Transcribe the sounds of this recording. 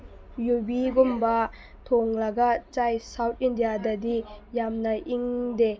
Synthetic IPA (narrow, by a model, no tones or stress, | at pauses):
jubiɡumbɐ | tʰoŋlɐɡɐt͡ʃajsawt̚ʰindijadɐdijamnɐʔiŋde